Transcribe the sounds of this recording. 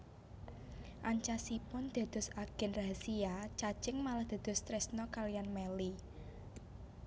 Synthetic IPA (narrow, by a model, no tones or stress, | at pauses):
ʔaɲt͡ʃasipʊnd̪̥a̤d̪̥ʊ̤saɡ̥ɛ̤nraɦasiat͡ʃat͡ʃɪŋmalahd̪̥a̤d̪̥ʊ̤st̪ɾɛsnɔkalijanmeli